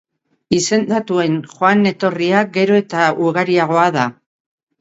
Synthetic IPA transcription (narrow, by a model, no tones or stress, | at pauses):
ise̞nd̪at̪ue̞nxoane̞t̪o̞riaɡe̞ɾo̞e̞t̪auɣaɾiaɣ̞o̞aða